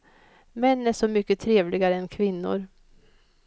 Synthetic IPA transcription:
mɛnːæʂɔmʏkːət̪ʰɾeːvlɪɡaɾəɛnkʰvɪnːʊ̰ɾ

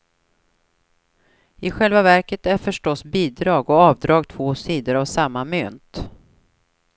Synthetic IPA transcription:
ɪɧɛlvavæɾkət̪æɾfœʂʈɔsbiːd̪ɾɑːɡɔɑːvd̪ɾɑːɡt̪ʰv̥oːsiːd̪əɾavsamːamøːnt̪

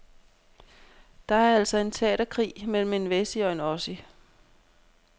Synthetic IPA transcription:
d̥ɑ̈æɐæl̰sɒ̽e̝nt͡sʰɛ̰ːɾ̥ɐkʰʁḭːmel̰m̩e̝nʋesiɒ̽e̝nɒ̽si

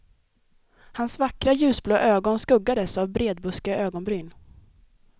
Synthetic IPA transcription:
hansvakɾajʉ̟ːsbloːʔøːɡɔnskɵɡːad̪əsavbɾeːd̪̚bɵskəøːɡɔnbɾyːn

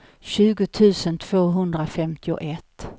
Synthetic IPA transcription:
ɕʉ̟ːɡʊt̪ʰʉ̟ːsənt̪ʰv̥oːɦɵnd̪ɾafɛmt̪ʰɪʊ̰ʔɛt̪ː

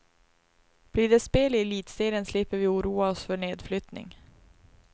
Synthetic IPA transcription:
b̥liːɖɛspeːlɪɛliːt̪seːɾənslɪpːəɾvɪuːɾuːaɔsfœɳeːd̪flʏt̪nɪ̰ŋ

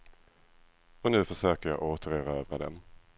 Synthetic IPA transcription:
ɔnʉ̟ːfœʂøːkəjɑ̰ʔoːt̪əɾøːɾaøːvɾad̪ɛ̰m

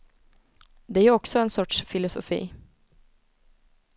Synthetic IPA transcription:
d̪ɛæjʉɔksɔɛnsɔʈʂfɪlʊsʊ̰fḭː

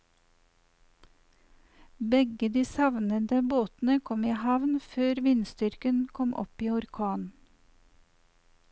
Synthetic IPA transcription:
bɛɡəd̪iːsɑʋnəd̪əboːt̪n̩əkʰɔmiːhɑʋnføːɾʋɪnst̪ʏɾkənkʰɔmʔɔ̰piːʊɾkʰɑːn

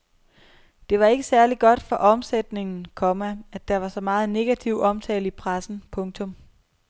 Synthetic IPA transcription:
d̥e̝ʋɑ̈e̝ɡ̥əsæɐliɡ̥ɒ̽d̥fɒʔɒ̽msed̥ne̝ŋn̩kʰɒ̽mææ̥ɑ̈ʋɑ̈sɒ̽mɑ̈ːð̞̩ˠne̝ɡ̥æt͡sʰiʊɒ̽mt͡sʰɛ̰ːləipʰʁasn̩pʰɔ̽ŋt͡sʰɔ̽m

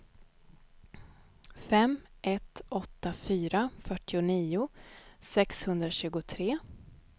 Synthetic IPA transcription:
fɛmːʔɛt̪ɔt̪ːafyːɾafœʈːɪʊniːʊsɛkshɵnd̪ɾaɕʉ̟ːɡʊt̪ʰɾeː

